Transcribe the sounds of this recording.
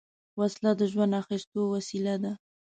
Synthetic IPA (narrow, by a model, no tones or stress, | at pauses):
waslad̪əʒwand̪axist̪owasilad̪a